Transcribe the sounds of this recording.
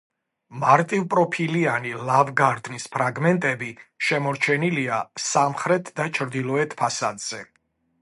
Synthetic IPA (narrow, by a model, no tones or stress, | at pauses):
maɾt̪ʼivpʼɾɔpʰilianilavɡaɾd̪nispʰɾaɡmɛnt̪ʼɛbiʃɛmɔɾt͡ʃʰɛniliasamχɾɛt̪ʰd̪at͡ʃʰɾd̪ilˠɔɛt̪ʰpʰasad̪z̥ɛ